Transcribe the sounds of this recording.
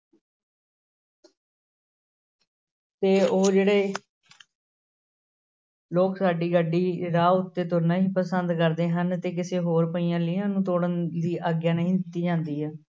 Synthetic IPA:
t̪eːoːd͡ʒeːɽeː | loːksaːɖiːɡəɖiːɾaːʊt̪ːeːt̪oːɾnãːɦiːpəsənd̪kəɾd̪eːɦənt̪eːk̬ɪseːɦoːɾpəiːjãːlɪːãːnũːt̪oːɽənd̪iːʔaːɡjaːnəɦĩːd̪ɪt̪ːiːd͡ʒãːnd̪iːɦɛː

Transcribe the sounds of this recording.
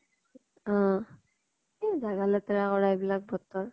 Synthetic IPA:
ɔ̃ | ɛzaɡalɛtɛɹakɔɹajbilak̚bɔtːɔɹ

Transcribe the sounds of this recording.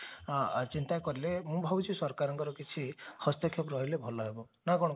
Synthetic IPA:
t͡ʃint̪akɔɾilemũbʱabut͡ʃʰisɔɾkaɾɔŋkɔɾɔkit͡ʃʰihɔst̪ekʰjɔpɾɔɦilebʱɔlɔɦebɔ | nakɔ̃ɔ

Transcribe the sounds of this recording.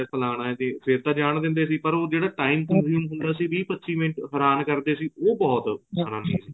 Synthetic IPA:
pʰəlaːɽ̃aːɛt̪ẽːpʰɪɾt̪ãːd͡ʒaːɽ̃d̪ɪ̃nd̪eːsiːpəɾoːd͡ʒeːɽaːʈaːiːmkənzuːmɦʊ̃nd̪aːsiːʋiːpətːʃiːʋɪ̃ɳʈɦəɾaːnkəɾd̪eːsiːoːbɔːt̪səɽ̃ãːniːsiː

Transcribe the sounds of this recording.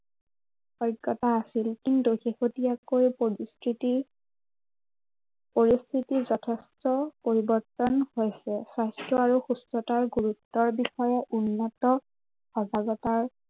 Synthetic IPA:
xɔjɡːɔtaːsilkintuxexotijakojpstʰiti | poɹist̪ʰitizɔtʰestɔpoɹibɔɹtɔnhojsɛsajstɹɔaɹuxustɹɔtaɹɡuɹutːɔɹbixɔjɛʔunːɔtɔ | xɔɡaɡɔtaɹ

